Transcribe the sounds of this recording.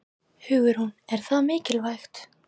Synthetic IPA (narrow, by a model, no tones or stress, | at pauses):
hʏːɣʏɾ̥hunɛɾ̥θaðmɪːcɪlvajxt̪